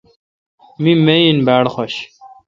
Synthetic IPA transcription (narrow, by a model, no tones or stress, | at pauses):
mimejinbæːɽχoɕ